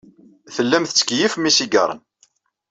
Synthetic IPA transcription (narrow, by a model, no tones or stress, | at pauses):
θəlːæmθət͡sːə̥kjifmisiɡə̰ɾˤə̰n